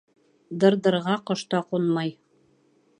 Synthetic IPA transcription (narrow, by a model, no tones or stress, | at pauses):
d̪ɤ̆ɾdɤ̆ɾʁɑqŏʃt̪ɑqunmɑj